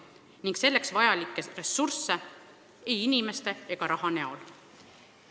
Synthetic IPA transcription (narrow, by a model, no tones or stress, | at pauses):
niŋɡ̥se̞lːe̞ksvɑjɑlikːˑere̞sursːe | ejinime̞st̪e̞e̞ɡ̥ɑɾɑɦɑne̞o̞̰l